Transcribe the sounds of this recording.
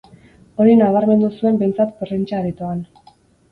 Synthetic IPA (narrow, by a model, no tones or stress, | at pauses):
o̞ɾinaβaɾme̞nd̪usue̞mbe̞jnt͡sat̪porent͡ʃaːɾit̪oan